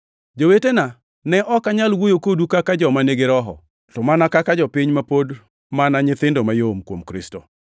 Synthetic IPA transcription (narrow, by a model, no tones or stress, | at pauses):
d͡ʒowetena | nɛʔɔkaɲalwojokodukakad͡ʒɔmaneɡeɾɔɦɔ̰ | tɔmanakakad͡ʒɔpɪɲmapod | manaɲɪt̪ɪndomajomkwomkɾɪsto